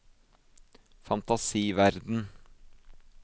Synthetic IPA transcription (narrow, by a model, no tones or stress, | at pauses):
fɑnt̪ɑsiːʋæɾd̪n̩